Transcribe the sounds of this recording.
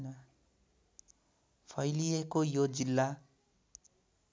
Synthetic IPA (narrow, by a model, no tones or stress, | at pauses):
nʌ | pʰʌjliekojod͡zilːa